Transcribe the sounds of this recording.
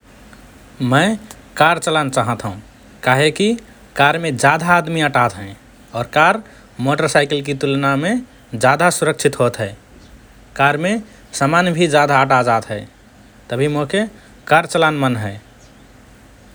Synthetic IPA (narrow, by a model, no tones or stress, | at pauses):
mə̃ɪ | kaɾt͡ʃəlant͡ʃaɦət̪ɦũ | kaːɦeki | kaɾmed͡ʒad̪ʱaːd̪miəʈat̪ɦə̃ | ɔːɾkaɾ | moʈəɾsaɪkəlk̬it̪ulname | d͡ʒad̪asuɾək̚t͡ʃʰit̪ɦot̪ɦɛe | kaɾme | səmanbʱid͡ʒad̪aəʈad͡ʒad̪ɦɛ | t̪əbʱimoke | kaɾt͡ʃəlanmənɦɛɪ